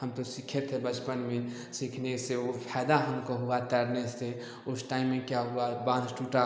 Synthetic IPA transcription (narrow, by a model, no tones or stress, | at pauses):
ɦəmt̪osikʰet̪ʰɦebət͡ʃpənmẽ | sikʰneseopʰɛːd̪aɦəmkoɦuat̪ɛɾnese | ʊsʈaːimːẽkjaɦuabãd̪ʱʈuʈa